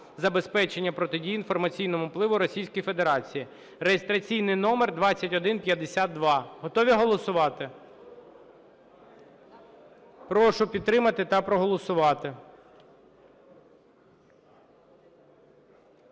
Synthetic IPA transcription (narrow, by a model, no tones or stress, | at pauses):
zɐbe̞spɛt͡ʃenʲːɐpɾɔt̪ɪdʲijinfɔrmɐt͡sʲijnɔmʊplˠɪʋʊɾɔsʲijsʲkɔjfed̪eɾɑt͡sʲiji | rejest̪ɾɐt͡sʲijnɪjnɔmerd̪ʋɑt͡sʲːɐtʲɔd̪ɪnpʲjɐd̪esʲad̪ːʋɑɦɔt̪ɔʋʲiɦɔlˠɔsʊʋɑt̪ɪ | pɾɔʃʊpʲid̪̚t̪ɾɪmɐt̪ɪt̪ɐpɾɔɦɔlˠɔsʊʋɑt̪ɪ